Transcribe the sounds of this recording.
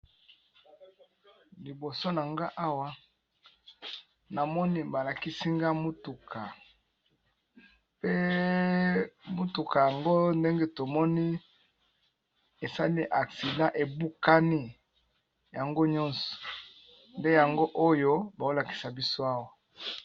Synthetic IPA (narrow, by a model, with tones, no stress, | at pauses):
li˨bo˨so˦na˨ŋɡa˦ʔa˦wa˦ | na˨mɔ˦ni˦ba˨la˨ki˦si˦ŋɡa˦mo˦tu˨kʰa˨ | pe˦ | mo˦tu˨ka˨ja˨ŋɡo˦nde˦ŋɡe˦to˨mɔ˦ni˦ | e˨sa˦li˦ʔa˨ksi˨dã˦ʔe˨bu˦ka˦ni˦ | ja˨ŋɡo˦ɲɔ̃˦nsɔ̥˨ | nde˦ja˨ŋɡo˦ʔo˦jo˦ba˨o˦la˨ki̥˨sa˨bi˦so˦a˦wa˨